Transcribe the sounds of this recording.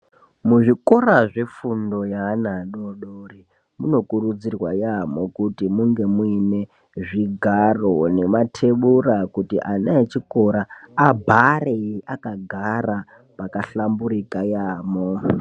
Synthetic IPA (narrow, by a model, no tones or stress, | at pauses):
muʐiko̞raʐe̞fundo̞janaɗoɗori | muno̞kurud͡zirwa̰jamo̞kutimuŋɡe̞muine̞ | ʐiɡʱarone̞matʰe̞ɓurakutḭʔanaet͡ʃiko̞ɾaːbʱareiʔakaɡʱara | pakaɬambuɾikajaːmo